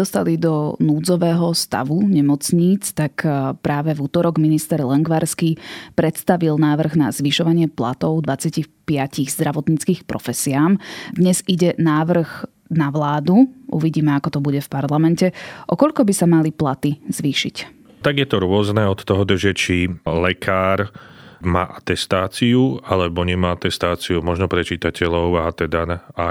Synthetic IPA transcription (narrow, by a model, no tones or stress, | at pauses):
d̪ɔst̪alid̪ɔnuːd͡zɔʋɛːɦɔst̪a̰ʋuɲɛmɔt͡sɲiːt͡st̪akpɾaːʋɛvuːt̪ɔɾɔɡminist̪ɛɾlɛŋɡʋaɾskipɾɛt̪st̪aʋilnaːʋr̩ɣnazʋiʃɔʋaɲɪɛpla̰t̪ɔʊd̪ʋat͡sɪacixpɪaciɣzd̪ɾaʋɔt̪ɲit͡skiːxpɾɔ̰fɛsiaːmd̪ɲɛziɟɛnaːʋr̩ɣ | naʋlaːd̪uʔṵʋiɟiːmɛakɔt̪ɔbuɟɛfpaɾlamɛncɛʔɔkɔʎkɔbisamaliplat̪iz̥ʋiːʃḭc | t̪aɡjɛt̪ɔɾʊɔznɛɔt̪t̪ːɔɦɔd̪r̩ʒɛt͡ʃilɛkʰaːɾma̰ːʔat̪ɛst̪aːt͡siualɛbɔɲɛmaat̪ɛst̪aːt͡siumɔʒnɔpɾɛt͡ʃiːt̪acʰɛlɔʊat̪ɛd̪anaa